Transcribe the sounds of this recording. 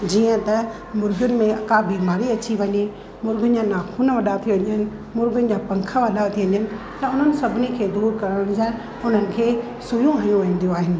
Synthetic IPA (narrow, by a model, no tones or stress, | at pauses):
d͡ʑiːə̃t̪ɐ | mʊɾɡʊnɪ̆mẽɐkabiːmaːɾiɐt͡ɕiʋɐɲe | mʊɾɡənɪ̆d͡ʑanaːxʰuːnʋɐɗat̪ʰiʋɐɲənɪ̆ | mʊɾɡʊnɪ̆d͡ʑaːpɐ̃ŋkʰəʋɐɗat̪ʰiʋɐɲənɪ̆ | t̪ɐʊn̤ənɪ̆sɐbʱɪnekʰeːd̪uːɾkɐɾəɽə̃ɽ̃d͡ʑãːɪ | ʊn̤ənɪ̆kʰeː | sʊjũaːijũʋɐ̃ːn̆d̪ijoaːɦɪnɪ̆